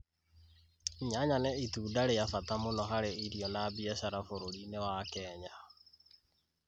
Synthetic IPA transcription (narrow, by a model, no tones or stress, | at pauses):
ɲaɲanɛituːdaɾejafatamonɔɦaɾeiɾiɔnaːbiɛsaɾafoɾoɾinewakɛːɲa